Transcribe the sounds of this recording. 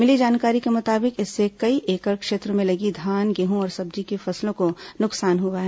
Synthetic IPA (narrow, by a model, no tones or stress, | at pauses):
mɪlid͡ʒaːnkaːɾikemʊt̪aːbɪkɪsːekɐiʔeːkəɾkʃeːt̪ɾõmẽlɐɡid̪ʱaːnɡɛɦõɔːɾsɐb̚d͡ʒikefɐslõkonʊksaːnɦʊaɦɛ